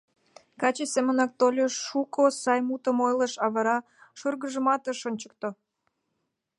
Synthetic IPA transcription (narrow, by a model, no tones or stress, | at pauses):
kɑt͡ɕesemənɑk̚t̪olʲeʃukosɑjmut̪ə̆mojləʃɑβəɾɑ | ʃurɣəʒə̆mɑt̪əʃonʲt͡ɕə̥k̚t̪o